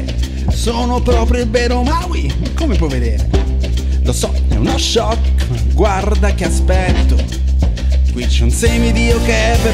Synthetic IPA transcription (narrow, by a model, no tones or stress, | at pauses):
soːnopɾɔːpɾjobɛɾomawi | kːomepwɔvːed̪eːɾe | losɔɛ̰unɔʃːɔk | ɡward̪akeaspɛt̪ːo | kwit͡ʃɛunsejmid̪iːokeɛpːe